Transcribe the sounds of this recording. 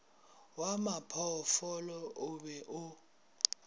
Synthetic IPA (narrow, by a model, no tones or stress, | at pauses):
wamapʰɔfɔlɔʔʊɓɛʔʊ